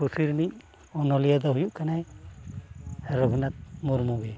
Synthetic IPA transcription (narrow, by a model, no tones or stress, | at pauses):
usiɾnic̚ | ɔnɔlijad̪ɔɦujuʔkanaj | aɾɔɡʱɔnat̪̚muɾmuɡɛ